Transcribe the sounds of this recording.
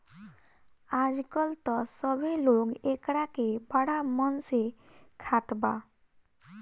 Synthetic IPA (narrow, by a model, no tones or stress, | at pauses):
ad͡ʒkɔlt̪ɔsɔbʱeloɡekɽakebaɽamɔnse | kʰat̪ba